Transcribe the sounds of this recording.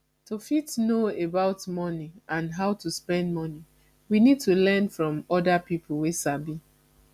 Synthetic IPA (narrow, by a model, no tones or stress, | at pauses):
tofitnoebaʊtmɔniãnɦaʊtuspɛ̃nd̚mɔni | winid̚tulɛnfɹɔ̃mɔdapipʰl̩ˠwesabi